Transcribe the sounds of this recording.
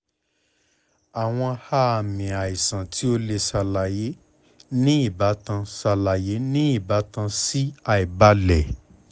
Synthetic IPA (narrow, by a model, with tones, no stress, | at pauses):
a˨w̃ɔ̃˧ha˦a˨mĩ˨a˨i˨sã˨tʰi˨˦o˦le˧sa˧la˨je˨˦ | nĩ˦i˦˨ba˨˦tã˧sa˧la˨je˨˦nĩ˦i˦˨ba˨˦tã˧si˦a˦i˨ba˦lɛ˨